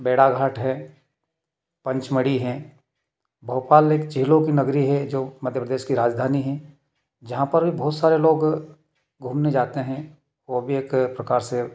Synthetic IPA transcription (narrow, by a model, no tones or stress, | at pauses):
beːɽaɡʱaːʈɦɛː | pɐ̃ɲt͡ʃmɐɽiɦɛ̃ | bʱəːpaːleːkt͡ʃɪɦlõkinɐɡɾiɦɛd͡ʒoːmɐd̪ʱjəpɾəd̪eːʃkiɾaːd͡ʒd̪ʱaːniɦɛ̃ | d͡ʒɐɦãpɐɾbʱibɔːt̪saːɾeloːɡ | ɡʱũːmned͡ʒaːt̪eɦɛ̃ | ʋoːbʱieːkpɾɐkaːɾse